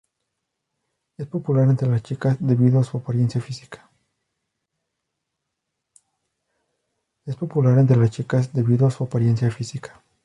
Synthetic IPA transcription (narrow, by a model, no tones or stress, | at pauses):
e̞spo̞pulaɾe̞nt̪ɾe̞last͡ʃikazd̪e̞βiðoasuapaɾje̞nsjafisi̥kʰḁ | e̞spo̞pulaɾe̞nt̪̬ɾe̞last͡ʃikazd̪e̞βiðoasuapaɾje̞nsjafisikḁ